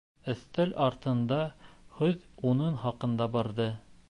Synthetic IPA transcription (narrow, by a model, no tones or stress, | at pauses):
ɵ̆θt̪ælʔɑɾt̪ɤ̆nd̪ɑhɵðunɤnχɑqɤ̆nd̪ɑbɑɾðɤ